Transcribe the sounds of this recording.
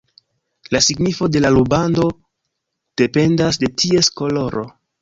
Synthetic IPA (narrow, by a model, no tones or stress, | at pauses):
lasiɡnifo̞de̞lalubando̞ | d̥e̞pe̞ndas̬de̞tʰie̞sko̞lo̞ɾo̞̰